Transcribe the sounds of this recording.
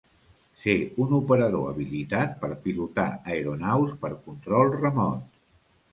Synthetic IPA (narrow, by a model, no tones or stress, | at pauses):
seunupəɾəðo̰ə̰βilit̪at̪̚pəɾpilut̪a̰əeɾunawspəɾkunt̪ɾɔlˠrəmɔnt